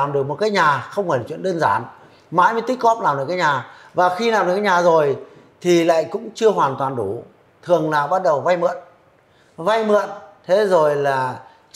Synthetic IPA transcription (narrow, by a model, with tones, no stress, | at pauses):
a˨˩mɗɨ˨˩ək̚mo˨˩t̚kaː˨˦jɲaː˨˩xə˧wŋ͡mhɔː˧˩jkt͡ɕw̰i˧˨ə˨ɗəː˧nzaː˨˦n | ma̰ː˧˥jməː˨˦t̪i˦˥k̚kɔ˦˥p̚laː˨˩mɗɨ˨˩kaː˨˦ɲaː˨˩ | vaː˨˩xi˧laː˨˩mɗɨ˨˩kaː˧˦ɲaː˨˩zo˨˩j | t̪ʰi˨˩la̰ː˧˨jkʊ̰˧˥ŋ͡mt͡ɕɨ˧əɦwaː˨˩nt̪waː˨˩nɗu˧˩˦ | t̪ʰɨ˨˩əŋlaː˨˩ɓa˦˥t̚ɗə˨˩wva˧jmɨ̰˧˨ən | va˧jmɨ̰˧˨ənt̪ʰe˨˦zo˨˩jlaː˨˩